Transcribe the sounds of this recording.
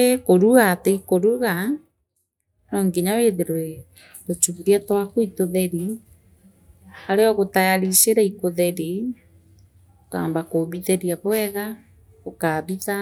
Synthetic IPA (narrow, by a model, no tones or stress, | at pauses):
ekoɾuɣateikoɾuɣa | nɔŋɡeɲaweðeɾoe | ɾot͡ʃuβiɾiatwakoitoðɛɾi | aɾeɔɣotajaɾiseɾaikoðɛɾi | okaːmbakoβiðɛɾiaβoɛɣa | okaβiða